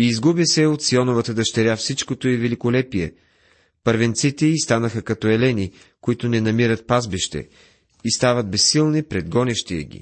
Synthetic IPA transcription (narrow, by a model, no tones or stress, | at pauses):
iːzɡubisɛot̪siɔnovət̪əd̪ɐʃt̪ɛɾʲjafsit͡ʃkot̪oivɛlikolɛpiɛ̰ | pəɾvɛnt̪sit̪ɛist̪anəxəkɐt̪ɔɛlɛni | koit̪ʊnɛnɐmiɾət̪̚pazbiʃt̪ɛ̰ | ist̪avəd̪̚bɛsːilˠnipɾɛd̪ɡɔnɛʃt̪iɛ̰ɡʲḭ